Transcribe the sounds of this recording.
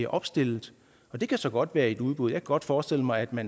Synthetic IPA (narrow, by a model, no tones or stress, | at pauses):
ɐʔɒ̽b̥sd̥e̝l̰ð̩ˠ | ɒ̽d̥e̝kʰæsɒ̽ɡ̥ɒ̽d̥ʋæːɐe̝d̥uð̞ˠb̥uðˠjɑkʰæɡ̥ɒ̽d̥fɒːsd̥e̝l̰əmɑ̈ɪæd̥mæn